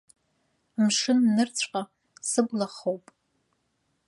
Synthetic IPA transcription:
mʂɨnːɨrt͡sʷʼqʼa | sɨblaχowpʼ

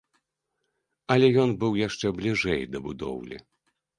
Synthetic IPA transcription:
ɐlʲɛjɔnbɨwjaʂt͡ʂɛblʲiʐɛjd̪ɐbud̪ɔ̰wlʲḭ

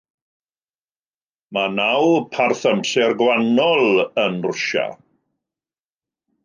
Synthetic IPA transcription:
manawpʰarθəmsɪrɡwanɔlˠənrʊʃa̰

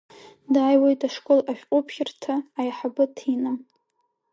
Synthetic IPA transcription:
dajwojtʰaʂkʷʼolaʃʲᶣqʼʊpʰχʲɪrtʰaːjħabɨtʰina

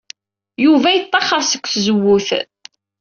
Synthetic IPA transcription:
juvæjət̪ˤːɑχəɾˤsə̥kʷːθzəwːʊθ

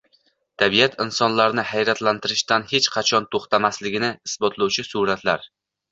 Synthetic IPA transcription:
t̪ʰabijat̪ʰɪnsɒnlaɾnɪhajɾat̪lant̪ʰɪɾɪʃt̪anhe̞t͡ʃqʰɑt͡ʃʰɒnt̪ʰoχt̪ʰamaslɪɡʲɪnɪɪsbɒt̪lˠawt͡ʃʰɪsuɾat̪ʰlaɾ

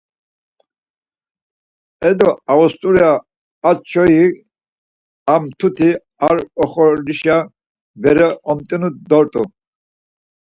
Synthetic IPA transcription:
ɛd̪ɔavɔst̪ʼuɾiaː | t͡ʃʰɔi | amt̪ʰut̪ʰi | aɾɔχɔliʃa | bɛɾɛʔɔmt̪ʼɛnud̪ɔɾt̪ʼu

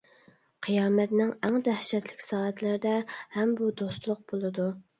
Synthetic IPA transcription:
qʰijɑːmɛt̪nɪŋɛŋd̪æhʃɛt̪lɪkʲsɑːɛt̪lɪɾɪd̪ɛhɛmbud̪ost̪lˠʊq̚b̥olˠɨd̪u

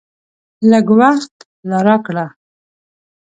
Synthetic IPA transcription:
ləɡwaxt̪ | laɾakɽa

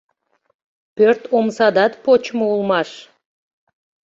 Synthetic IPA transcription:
pørt̪omsɑd̪ɑt̪pot͡ɕmoulˠmɑʃ

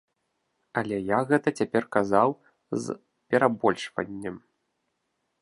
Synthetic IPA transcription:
ɐlʲɛjaɣɛt̪ɐt͡sʲapʲɛrkazaw | z | pʲɛɾabɔlʲʂvɐ̰nʲːɛm

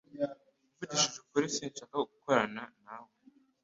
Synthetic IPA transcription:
uvudiʃuʃu̥kuɾisiːnʃaːkaɡukoɾananawe

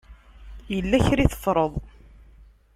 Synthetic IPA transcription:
jəlːæçɾiθə̥fɾˤəðˤ

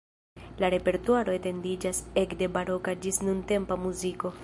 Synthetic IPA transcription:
laɾe̞pe̞ɾtuaɾo̞ete̞ndid͡ʒase̞kde̞baɾo̞kad͡ʒisnunte̞mpamuziko̞

